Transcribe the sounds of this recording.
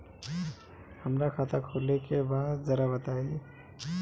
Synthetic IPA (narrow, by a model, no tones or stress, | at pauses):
həmɾakʰat̪ʰakʰolːekebaːt̪zəɾabət̪aːie